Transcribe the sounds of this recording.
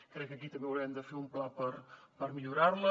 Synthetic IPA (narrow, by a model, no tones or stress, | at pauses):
kɾɛkːəkit̪əmbeəwɾɛmd̪əfeumplapəɾpəɾmiʎuɾaɾlə